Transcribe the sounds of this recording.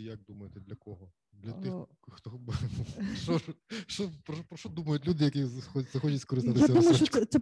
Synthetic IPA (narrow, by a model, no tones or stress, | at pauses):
jak̚d̪umɐjet̪ɛd̪lʲɐkɔɦɔ | d̪lʲɐt̪ɪx | xt̪ɔ | ɔʃɔpɾpɾɔʃt̪ɔd̪umɐjʊt̪ʲlʲud̪ɪjɐkizxɔzɐxɔt͡ʃʲɐtʲskɔɾɪst̪ɪt̪ɪjasɛdumɐjkɛsɛ